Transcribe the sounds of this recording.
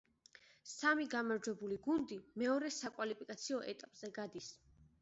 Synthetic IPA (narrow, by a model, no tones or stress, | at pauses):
samiɡamaɾd͡ʒwɛbuliɡund̪imɛɔɾɛsakʼwalipʰikʼat̪sʰiɔʔɛt̪ʼapʼz̥ɛɡad̪is